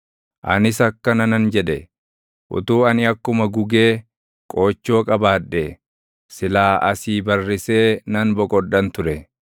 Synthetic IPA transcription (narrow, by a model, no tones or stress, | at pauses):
ʔɐ̰nɪsɐkːɐnɐnɐnd͡ʒɛᶑɛ | ʔʊ̰t̪uːɐnɪɐkːʊmɐɡʊɡe̞ː | kʼo̞ːt͡ʃːo̞ːkʼɐbaːᶑːe | sɪlaːʔɐsiːbɐrːɪse̞ːnɐnbɔkʼɔɗɐnt̪ʊɾɛ